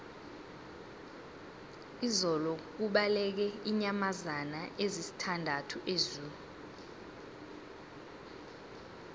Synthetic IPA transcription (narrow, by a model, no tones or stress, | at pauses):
izɔlɔk̬uɓalɛk̬ɛiɲamazanaʔezisi̥tʰandʱatʰuʔezuːlu